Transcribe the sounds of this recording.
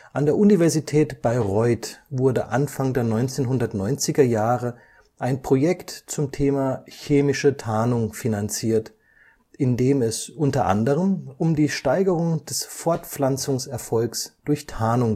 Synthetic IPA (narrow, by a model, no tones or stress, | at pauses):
ʔandeːɐʔunivɛɐzitʰɛːtb̥aɪʁɔʏtvʊɐdəʔanfaŋdeːɐnɔʏnt͡seːnɦʊndɐtnɔʏnt͡sɪɡɐjaːʁə | ʔaɪnpʁ̥ojɛktt͡sʊmtʰeːmaːçeːmɪʃətʰaːnʊŋfinant͡siːɐt | ʔɪndeːmɛsʔʊntɐʔa̰ndəʁ̞əmʔʊmdiːʃtaɪɡəʁ̞ʊŋd̥ɛsfɔɐtp͡flant͡sʊŋsɛɐfɔlksd̥ʊɐçtʰaːnʊŋ